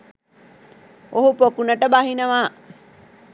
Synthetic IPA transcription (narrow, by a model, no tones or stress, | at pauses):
oɦupokunəʈəbaɦinəʋaː